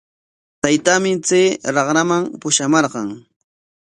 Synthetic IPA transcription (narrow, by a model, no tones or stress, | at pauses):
t̪ajt̪amɪt͡seːɾɑχɾamampʊʃamɑɾɢɑŋ